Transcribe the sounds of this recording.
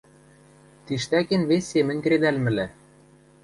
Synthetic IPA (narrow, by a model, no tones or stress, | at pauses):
t̪iʃt̪ækenβesʲːemɘ̆nʲkɘ̆ɾed̪ælmɘ̆læ